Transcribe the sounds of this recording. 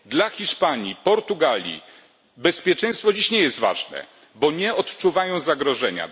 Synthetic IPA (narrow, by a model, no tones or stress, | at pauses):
d̪laxʲiʂpaɲipɔɾt̪uɡalʲḭ | bɛspʲjɛt͡ʂɛ̃j̃st̪fɔd͡ʑiɕɲɛjɛst̪va̰ʐnɛ̰ | bɔɲɛɔt̪t͡ʂuvajɔ̃w̃zaɡɾɔʐɛɲa̰